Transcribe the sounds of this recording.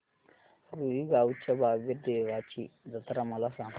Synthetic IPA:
ɾuiɡawut͡ʃːababedewat͡ʃid͡zat̪aɾamalasa

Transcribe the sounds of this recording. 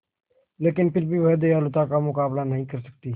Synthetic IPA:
leːkɪnpɪɾbʱiʋɐːd̪ejaːlʊt̪akamʊkaːblanɐɦĩkɐɾsɐk̚t̪iː

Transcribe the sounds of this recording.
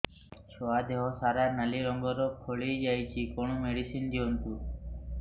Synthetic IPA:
ʃɔad̪eɦɔsaɾanaliɾɔŋɡɔɾɔkʰoɭid͡ʒajt͡ʃʰikɔɳ̃ɔmeɽisind̪iɔnt̪u

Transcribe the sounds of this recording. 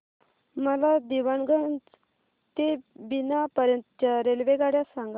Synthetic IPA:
məlad̪iʋanɡənd͡z | t̪ebinapəɾjənt̪ət͡ɕaɾelʋeɡaɽjasãŋɡa

